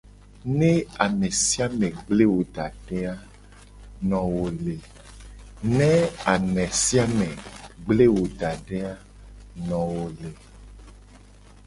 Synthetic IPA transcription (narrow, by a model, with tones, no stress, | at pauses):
nɛ̃˦a˨mɛ̃˨si˦a˦mɛ̃˨ɡ͡ble˦wo˨ɖ̪a˨ɖɛ˦a˦ | nɔ̃˨wo˨le˨ | nɛ̃˦a˨mɛ̃˨si˦a˦mɛ̃˨ɡ͡ble˦wo˨ɖa˨ɖɛ˦a˦ | nɔ̃˨wo˨le˨